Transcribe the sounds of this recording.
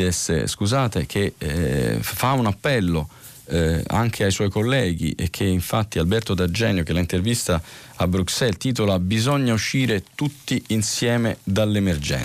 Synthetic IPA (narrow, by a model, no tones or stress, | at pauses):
ɛsːḛskuzaːt̪ek̟ʰe | faunapːɛlːo | a̰ŋk̟ʰeajswɔjkolːɛːɡḭʔek̟ʰːeiɱfat̪ːialbɛrt̪od̪ad͡ʒɛːnjok̟elaint̪ervist̪aabɾuksɛlt̪iːt̪olabizoɲːauʃiːɾet̪ut̪ːiʔinsjɛːmed̪alːemerd͡ʒɛ̰n